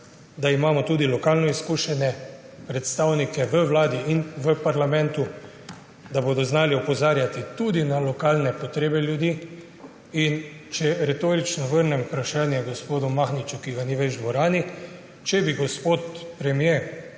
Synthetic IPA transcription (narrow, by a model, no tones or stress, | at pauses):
d̪aimaːmɔt̪uːd̪ilɔkaːlnɔiskuːʃɛnɛ | pɾɛt̪st̪aːwnikɛʋəʋlaːd̪iinʋəpaɾlamɛ̃nt̪u | d̪aboːd̪ɔznaːliɔpɔzaːɾjat̪it̪ud̪inalɔkaːlnɛpɔt̪ɾeːbɛljud̪iː | int͡ʃɛɾɛt̪oːɾit͡ʃnɔʋəɾnɛmupɾaʃaːnjɛɡɔspoːd̪ɔmaxnit͡ʃukiɡaniʋeʒd̪ʋɔɾaːni | t͡ʃɛbiɡɔspoːt̪pɾɛmje